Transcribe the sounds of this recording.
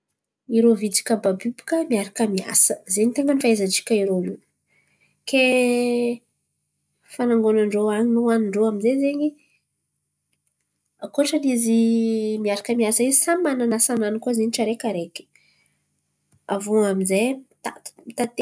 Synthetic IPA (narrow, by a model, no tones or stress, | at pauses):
iɾovid͡zi̥kəbabibi̥kəmiaɾakəmia̰sə̥zeɲit̪eŋɡənifaezaʈ͡ʂi̥kʲəiɾonu | ke | fanaŋɡonaɳɖ͡ʐoaɲinoaniɳɖ͡ʐoaminzezeɲi | akoʈ͡ʂənizimiaɾakəmiasəizisamananasananikuazeɲiʈ͡ʂəɾekʲaɾekʲi̥ | avuaminzet̪ḁmit̪at̪e